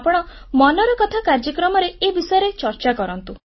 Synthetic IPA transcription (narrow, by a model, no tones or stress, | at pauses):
pɔɽ̃ɔ | mɔnɔɾɔkɔt̪ʰakaɾd͡ʒɔkɾɔmɔɾeebisɔjɔɾet͡ʃɔɾt͡ʃakɔɾɔnt̪u